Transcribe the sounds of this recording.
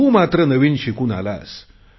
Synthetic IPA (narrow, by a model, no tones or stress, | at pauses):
umat̪ɾənəʋinɕikuna̰la̰s